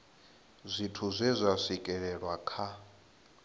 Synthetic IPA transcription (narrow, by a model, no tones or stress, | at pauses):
zʷitʰuzʷɛzʷasʷikʼɛɺɛɺwakʰa